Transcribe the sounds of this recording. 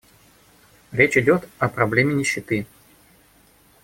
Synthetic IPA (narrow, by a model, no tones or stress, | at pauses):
ɾʲet͡ɕɪdʲo̞t̪ɐpɾɐblʲemʲɪnʲɪɕːɪt̪ɨ